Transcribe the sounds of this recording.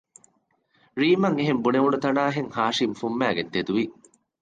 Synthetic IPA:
ɾiːmɐŋeɦembuneʋuɳɖut̪ɐnaːɦeŋhaːʂimfumːæːɡed̪ːed̪uʋi

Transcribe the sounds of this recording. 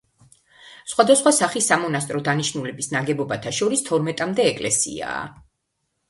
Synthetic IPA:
sχwad̪asχwasaχisamɔnas̬t̪ʼɾɔd̪aniʃnulɛbisnaɡɛbɔbat̪ʰaʃɔɾist̪ʰɔɾmɛt̪ʼamd̪ɛːkʼlɛsḭa̰ː

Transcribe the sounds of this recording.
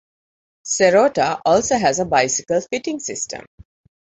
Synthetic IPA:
seɾoːʈaʔɔːlsoːɦæzəbaɪsi̥kəlfiʈĩŋsɪsʈʰə̰̃m

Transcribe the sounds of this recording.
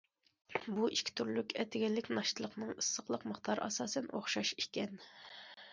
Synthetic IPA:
buʔiʃkʲʰi̥t̪ʰyɾlykʲɛt̪ʰɪɡʲɛlːɪkʲnɑʃt̪ʰɨlˠəqnɨŋisːəχqlˠəqməχt̪ʰɑɾʔɑ̰sɑːsɛnʔoχʃɑʃikʲɛn

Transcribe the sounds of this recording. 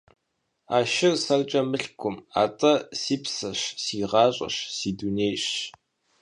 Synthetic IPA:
aːʃɪrsɐrt͡ʃʼɐmɨɬkʷʰʊma̰ːtʼɐsiːpsɐɕsiːʁɑːɕʼɐ̰ɕsiːduneːɕ

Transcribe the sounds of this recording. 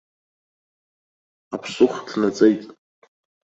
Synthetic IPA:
apʰsʊχdʰnat͡sʼejtʼ

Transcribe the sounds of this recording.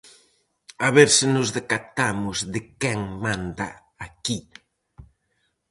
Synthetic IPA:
aβeɾsɪnʊzðekat̪amʊzðɪkɛŋmãnd̪ɐ̰ | aki

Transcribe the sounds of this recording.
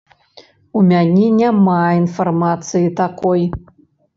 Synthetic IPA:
umʲanʲɛnʲamainfarmat̪sɨjit̪akɔj

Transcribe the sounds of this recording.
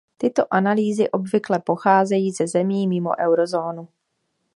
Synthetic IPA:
t̪ɪt̪o̞ʔanaliːzɪʔo̞bvɪklɛpo̞xaːzɛjiːzɛzɛmiːmɪmo̞̰ʔɛwɾo̞zoːnu

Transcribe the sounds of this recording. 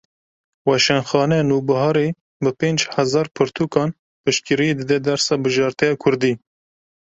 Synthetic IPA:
wɑʃɛnxɑːnɛnuːbɨɦɑɾe | bɨpeːnd͡ʒhæzɑːɾpʰɨɾt̪ʰuːkɑːn | pɨʃkɨɾied̪ɨd̪ɛd̪æɾsɑːbɨʒɑːɾt̪ɛjɑːkʰʊɾd̪iː

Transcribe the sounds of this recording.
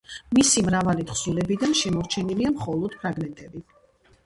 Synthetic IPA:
misimɾavalit̪χsulɛbid̪anʃɛmɔɾt͡ʃʰɛniliamχɔlˠɔd̪̥pʰɾaɡmɛnt̪ʼɛbi

